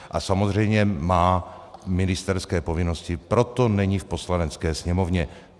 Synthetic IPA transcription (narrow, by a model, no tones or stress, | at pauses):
ʔasamozr̝ɛjmɲɛmaːmɪnɪst̪ɛɾskɛːpovɪnoscɪpɾo̞t̪onɛɲifpo̞slanɛt͡skɛːsɲɛmovɲɛ